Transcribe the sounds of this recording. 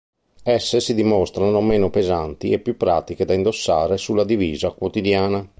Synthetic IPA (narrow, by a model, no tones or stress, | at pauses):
ɛsːesid̪imɔst̪ɾanomeːnopezant̪iɛpːjupːɾaːt̪iked̪aind̪osːaːɾesulːad̪iviːzakwot̪id̪jaːna